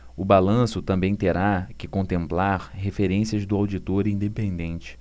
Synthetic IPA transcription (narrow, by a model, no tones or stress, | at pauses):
ʊbalɐ̃sʊt̪ɐ̃mbẽj̃t̪eɾakɪkõnt̪ẽmplaɾɦefeɾẽsiɐzd̪ʊawd͡ʒit̪oɾĩd̪epẽnd̪ẽnt͡ʃɪ̥